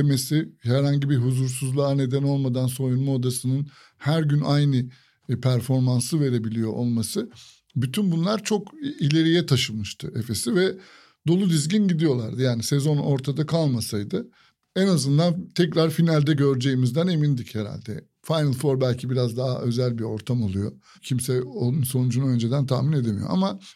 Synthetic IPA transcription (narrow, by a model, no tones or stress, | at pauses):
emesihæɾɦhaɲɟibiɦuzuɾsuzlˠaːne̞d̪æno̞lˠmad̪anso̞ɾinmod̪asɯnɯn | hæɾɟynʔajnɯ | pʰæɾfo̞ɾmansɯve̞ɾe̞bilʲijo̞̰ʔolˠmasɯ | byt̪ʰynbunlˠaɾt͡ʃʰo̞kilʲe̞ɾijɛt̪ʰaʃɯlˠmɯʃt̪ʰɯe̞fe̞sivɛ | d̪o̞lˠud̪izɟinɟid̪ijo̞lˠa̰ɾd̪ɯjaːnise̞zo̞no̞ɾt̪ʰad̪akʰalˠmasajd̪ɯ | ɛnazɯnd̪ant̪ʰɛcɾaɾfinalʲd̪ɛɟøɾd͡ʒe̞jimizd̪æne̞mind̪icheɾa̰lʲd̪ɛ̰ | fajnɯlˠfo̞ɾbælʲcʰibiɾazd̪aɦa̰ʔø̞zælʲbiɾo̞ɾt̪ʰamo̞lˠujo̞ | cʰimsɛonunso̞nud͡ʒunø̞nd͡ʒed̪ænt̪ʰahmine̞d̪emijo̰a̰ma